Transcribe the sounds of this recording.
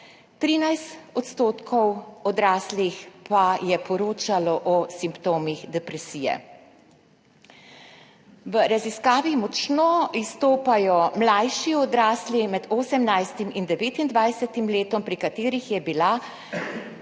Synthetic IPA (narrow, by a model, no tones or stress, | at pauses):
t̪ɾiːnajst̪ɔt̪st̪oːt̪kʰɔwɔd̪ɾaːslixpajɛpʰɔɾoːt͡ʃalɔʔɔsimpt̪oːmixd̪ɛpɾɛsiːjɛ̰ | ʋəɾaziskaːʋimɔt͡ʃnɔist̪oːpajɔmlajʃiɔd̪ɾaːslimɛd̪oːsɛmnajst̪imind̪ɛʋeːt̪ind̪ʋajsɛt̪imleːt̪ɔmpɾikat̪eːɾixjɛbila